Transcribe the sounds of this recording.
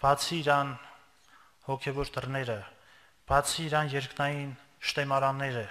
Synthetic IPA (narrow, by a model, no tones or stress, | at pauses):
b̥ɑt͡sʰiːɾɑn | hɔkʰɛvɔɾd̪ərnɛɾə | b̥ɑt͡sʰiːɾɑnjɛɾknɑjin | ʃt̪ɛmɑɾɑnːɛɾə